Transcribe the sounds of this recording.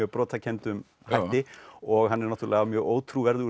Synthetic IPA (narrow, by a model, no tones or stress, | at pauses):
œːɣpɾɔːt̪ʰacʰɛnt̪ʏm | hajht̪ɪɔɣɦanːɛɾnaht̪ɾlɪamjœːɣoːwt̪ʰɾuːvɛɾðʏ